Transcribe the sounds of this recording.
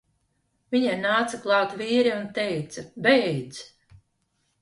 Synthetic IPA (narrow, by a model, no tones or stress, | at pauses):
viɲanaːt̪saklˠɑːt̪viːɾiunt̪ɛjt̪sɐbɛjd̪z